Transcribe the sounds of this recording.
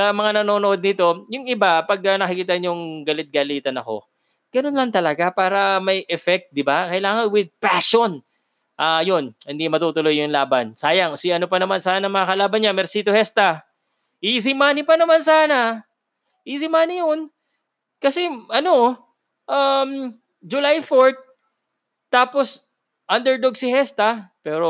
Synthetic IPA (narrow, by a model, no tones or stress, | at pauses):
sɐmɐŋanɐno̞ːnoʔo̞d̪̚nɪt̪o̞jʊŋɪbapɐɡ̚ɐnɐkɪkiːt̪ɐnjʊŋɡɐlɪt̪̚ɡaliːt̪ɐnɐko̞̰ | ɡ̥ɐno̞nlɐŋt̪ɐlɐɡapaːɾɐmɐjʔɛfɛk̚t̪̚d̪ɪbakɐɪlaːŋɐnwɪd̪̚paʃon | ʔajonhɪnd̪imɐt̪uːt̪ʊlo̞jːʊŋlaːbɐnsaːjɐŋsɪʔɐnopɐnɐmansaːnɐmɐŋɐkɐlaːbɐnɲamɛɾsiːt̪ohɛst̪ɐ | ʔis̬ɪmaːnɪpɐnɐmansaːnɐ | ʔisɪmaːnɪjon | kɐsɛʔɐno̞ | ʔam | d͡ʒʊlajfoɹt̪̚ː | aːpo̞s | ʔɐnd̪ɛɹd̪oɡ̚sɪhɛst̪ɐpɛːɾo